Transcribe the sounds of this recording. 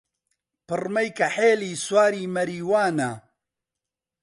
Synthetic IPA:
pɨrmɐjkɐħeːliːswaːɾiːmɐɾiːwaːnɐ̰

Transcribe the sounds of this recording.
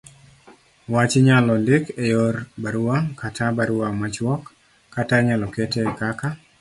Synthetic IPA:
wat͡ʃɪɲalɔlɪkejɔrbaɾʊakatʰabaɾʊamat͡ʃwɔkː | ataɲalɔkɛtɛkaka

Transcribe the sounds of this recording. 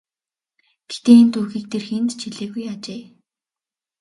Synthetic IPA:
ɡ̥e̥t̪eːint̪uːxiːk̚t̪ʰerxent̪t͡ɕʰiɮeːɣujat͡ɕeː

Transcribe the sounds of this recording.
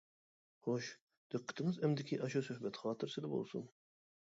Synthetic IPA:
hoʃ | d̪̥ɨqːə̥t̪ʰɪŋɪzɛmd̪ɪkʲʰiʔɑʃusøhbɛt̪χɑːt̪ʰɨɾsɪd̪ɪbo̰lˠsṵn

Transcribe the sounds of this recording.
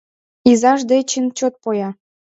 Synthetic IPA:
izɑʒd̪et͡ɕint͡ɕot̪̚pojɑ

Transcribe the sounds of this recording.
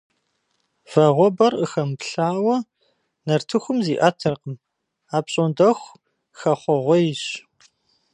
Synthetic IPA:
v̥ɐʁʷɔbɐrəxɐmpɬaːwɐ | nɐrtʰɨxʷʊmziːʔɐtʰɐqəm | aːpɕʼondɐxʷ | xɐχʷɔʁʷɔjɪɕ

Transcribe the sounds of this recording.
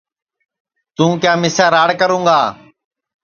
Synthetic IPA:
t̪ũːkjaːmɪsaːɾaːɽkəɾũːŋɡaː

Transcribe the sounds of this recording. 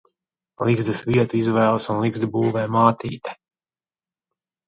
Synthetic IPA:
lˠiɡzd̪ɨsvʲiɛt̪uizvɛːlˠsunlˠiɡzd̪buːvɛːmaːt̪iːt̪ḁ

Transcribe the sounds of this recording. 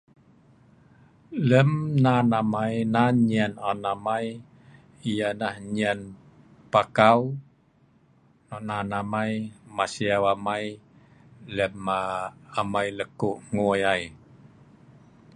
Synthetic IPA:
ləmnanamajnaɲiananamaj | ijanahɲian | pakaw | nɔnanamajmasiawamaj | ləmaːmajləkoʔŋujaj

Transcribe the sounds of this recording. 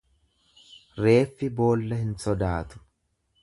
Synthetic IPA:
ɾe̞ːfːɪbo̞ːlːɐhɪnsɔd̪aːt̪ʊ̥

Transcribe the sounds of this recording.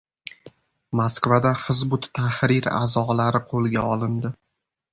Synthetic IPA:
maskvad̪aχɨzbʊt̪ʰːahɾɪɾa̰zɒlaɾɪqʰolˠɡʲaɒlˠɪnd̪ɪ

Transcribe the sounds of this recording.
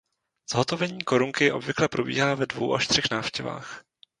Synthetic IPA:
z̥ɦo̞t̪o̞vɛɲiːko̞ɾuŋkɪʔo̞̰bvɪklɛpɾobḭːɦaːvɛdvo̰wʔa̰ʃt̪r̝̥ixnaːfʃcɛva̰ːx

